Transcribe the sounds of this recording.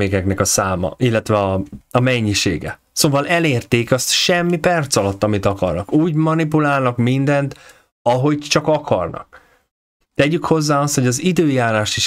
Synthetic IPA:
eːkɛknɛkɒsaːmɒ̰ʔilːɛt̪ʋɛɒɒmɛɲːiʃḛːɡɛ̰ | soːvɒlɛleːrt̪eːkɒst̪ʃɛmːipɛrt̪sɒlɒt̪ːɒmit̪ɒkɒrnɒkuːɟmɒnipulaːlnɒkmind̪ɛnt̪ | ɒɦo̞ɟt͡ʃɒkɒkʰɒrnɒ̰k̚ | t̪ɛɟykho̞zːaːɒst̪ho̞ɟɒzid̪øːjaːɾaːʃt̪iʃ

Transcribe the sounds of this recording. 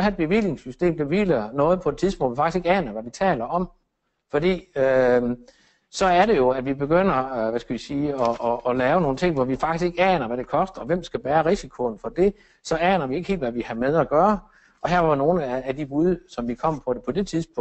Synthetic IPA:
hæed̚b̥e̝ʋile̝ŋsysd̥e̝̰ːmd̥eʋilɐnɔ̽ːð̩ˠpʰɒ̽e̝̥t͡sʰiðˠsb̥ɔ̰̽lʋifɡ̥ise̝ɡ̥ɛːnɐʋæʋit͡sʰɛ̰ːlɐɒ̽m | fɒ̽d̥ḭːø | sɒ̽æɐɾe̝jo̝æʋibe̝ɡ̥øn̰ɐʋæsɡ̥æʋisiːɒʔːlɛːʊno̝ːn̩t͡sʰe̝ŋ̰ʋɒʋifɑ̈ɡ̥isɡ̥eɡ̥ɛːnɐʋæɾ̥e̝kʰɒ̽sd̥ɐʋem̰sɡ̥æb̥æːɐʁisikʰo̝n̩fɒ̽d̥e̝ | sɒ̽ɛːnɐʋie̝ɡ̥he̝̰ldʋæʋihɑmeðˠæɡ̥ɶːɐ | ɒ̽ɦæɐʋɑno̝ːn̩ææd̥ibuðˠsɒ̽mʋikʰɒ̽m̰pʰɒ̽pʰɒ̽d̥e̝t͡sʰiðˠsb̥ʰɔ

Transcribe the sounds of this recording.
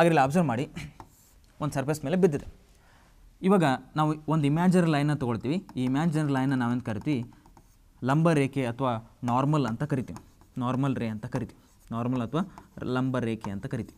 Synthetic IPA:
aːɡɐɾɐlːiɐːbzɐɾbmaːɽi | ond̪sɐɾplɐsmeːle̞bid̪ːid̪e | iʋaːɡɐnaːʋuond̪uimaːd͡ʒɐnɾlɐjnːɐt̪ɔɡoɭt̪iːʋiiːmaːd͡ʒɐnɐɾlɐjnːɐnaːʋend̪kɐɾit̪iʋi | lɐmbɐɾeːkeɐt̪ʰʋaːnaːɾmɐlɐnt̪ɐkɐɾit̪iʋinaːɾmɐlɾeɐnt̪ɐkɐɾit̪iʋu | naːɾmɐlɐt̪ʰɐʋaːlɐmbɐɾeːkeɐnt̪ɐkɐɾit̪iʋi

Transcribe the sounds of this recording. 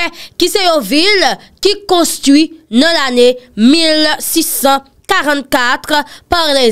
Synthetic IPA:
kisejovil | kikɔ̃st̪ʁwinʌ̃lanemilsisɑ̃ | kaʁɑ̃t̪kat̪ʁpaʁle

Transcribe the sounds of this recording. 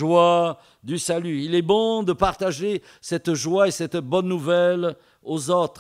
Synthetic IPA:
ʒwa | d̪ysalyilɛbɔ̃d̪əpaʁt̪aʒe | sɛt̪ʒwaesɛt̪bɔnːuvɛl | ozot̪χ

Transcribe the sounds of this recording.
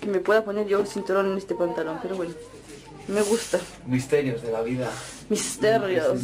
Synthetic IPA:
kemepweðapo̞neɾʝosint̪uɾonenest̪epant̪alo̞mpeɾoβweno | me̞ɣust̪a | mist̪eɾjozðelaβiða | mist̪eɾjos

